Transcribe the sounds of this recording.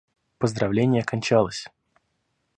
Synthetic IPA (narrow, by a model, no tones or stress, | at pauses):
pəzd̪ɾɐvlʲenʲɪjəkɐnʲt͡ɕalˠəsʲ